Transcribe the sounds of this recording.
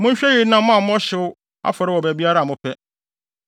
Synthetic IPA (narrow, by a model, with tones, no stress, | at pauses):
mʊ̃˦ɲ̩˦ɕᶣɛ˦jɪ˨˦nã˦mm˦ã˦˨m˦ɔ̃˦ɕɪ˦ʊ˦ | a̰˦fɔ˨ɾɪ˦wɔ˨bæ˨bi˦a˦ɾa˦˨mʊ̃˦pʰɛ˦